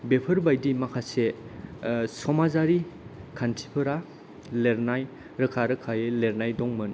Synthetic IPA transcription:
bepʰɯɾbajdimakʰase | sɔmazaɾikʰantʰi̥pʰɯɾa | leɾnaj | ɾɯkʰaɾɯkʰajeleɾnajdɔŋmɯn

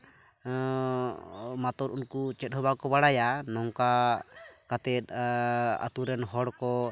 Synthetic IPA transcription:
mat̪ɔɾunkut͡ʃɛt̪̚ˀhɔbakɔbaɽajanɔŋka | kat̪ɛt̪̚ | a̰t̪uɾɛnɦɔɽkɔ

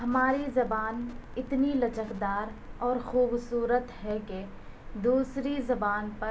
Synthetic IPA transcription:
ɦɐmaːɾizɐbaːnɪt̪nilɐt͡ʃəkd̪aːɾɔːɾxuːbsuːɾət̪ɦɛke | d̪uːsɾizɐbaːnpɐ

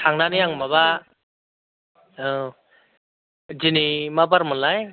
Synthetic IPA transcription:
tʰaŋnanijaŋmaβa | d͡ʒinimabaɾmɯnlaj

